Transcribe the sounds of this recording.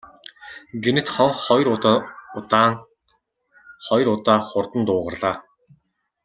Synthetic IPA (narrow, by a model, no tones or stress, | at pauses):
ɡenɘ̆t̪χɔŋχɔjrʊt̪ʊt̪aːŋ | χɔjrʊt̪aːχʊrt̪ə̆nt̪ʊːʁə̆rɮaː